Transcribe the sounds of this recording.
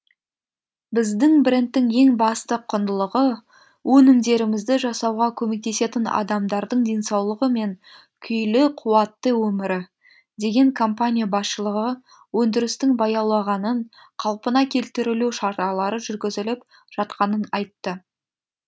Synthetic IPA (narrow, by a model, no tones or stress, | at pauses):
bɪzd̪ɪŋbɪɾɪnt̪ːɪŋe̞ŋbɑst̪əqʰːʊnd̪əlˠəʁə | wʔɵnɪmd̪e̞ɾɪmɪzd̪ɪʒɑsɑwʁɑkʲʰɵme̞k̚t̪e̞se̞t̪ɪnɑ̰d̪ɑmd̪ɑɾd̪əɴd̪e̞nsɑwlˠəʁəme̞ŋ | kʲʰʏjlɪqʰuwɑt̪ːəwɵmɪɾɪ | d̪e̞ɡʲe̞ŋkʰo̞mpanʲijabɑsʃəlˠəʁə | wɵnd̪ɪɾɪst̪ɪŋbɑjɑwlˠɑʁɑnəɴ | qʰɑlˠpənɑkʲʰe̞lt̪ɪɾɪluwʃɑɾt̪ɑlˠɑɾəʒʏɾɡʲɪzɪlɪp | ʒ̥ɑt̪qɑnənɑjt̪ːə